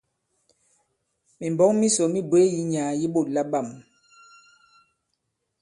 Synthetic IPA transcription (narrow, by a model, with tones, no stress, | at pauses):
mi˨mbɔ˦ŋmi˦so˨mi˦bwe˨˦ji˦ɲaː˨ji˦ɓo˦˨la˦ɓa˦˨m